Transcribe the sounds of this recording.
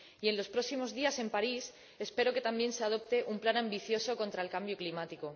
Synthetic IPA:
ie̞nlo̞spɾo̞simo̞zðiase̞mpaɾis | e̞spe̞ɾo̞ket̪ambjẽ̞nse̞að̞o̞p̚t̪e̞ʔumplanãmbiθjo̞so̞ko̞nt̪ɾaelkambjoklimat̪iko̞

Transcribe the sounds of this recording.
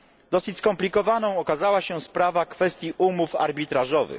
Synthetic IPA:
d̪ɔsɘt͡ɕʲskɔmplʲikɔvanɔ̃w̃ɔkazawaɕɛspɾavakfɛst̪ʲjiʔumufa̰ɾbʲit̪ɾaʐɔvɘ̰x

